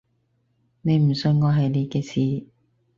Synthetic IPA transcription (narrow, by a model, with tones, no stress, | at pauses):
ne˨˧jm̩˨˩sɵ˧nŋɔː˨˧ɦɐ˨jne˨˧˥kɛː˧siː˨˩